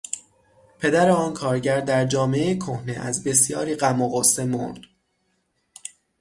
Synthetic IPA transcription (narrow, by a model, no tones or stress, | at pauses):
pʰe̞d̪æɾeɒːnkʰɒːɾɟæɾd̪æɾd͡ʒɒːmeejekʰohneʔæzbe̞sjɒːɾiːɢæmoɣosemo̰nd̪̥